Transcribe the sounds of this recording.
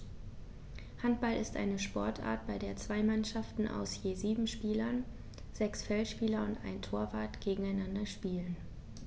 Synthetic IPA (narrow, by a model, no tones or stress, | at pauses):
hant̚b̥alɪstʔa̰ɪnəʃpɔɐtʔa̰ːɐt̚b̥aɪdeːɐt͡sv̥aɪmanʃaftn̩ʔa̰ʊsjeːziːbm̩ʃpiːlɐn | z̥ɛksfɛlʃpiːlɐʊntʔa̰ɪntʰoːɐvaːɐtɡ̥eːɡŋ̩aɪnandɐʃpiːlən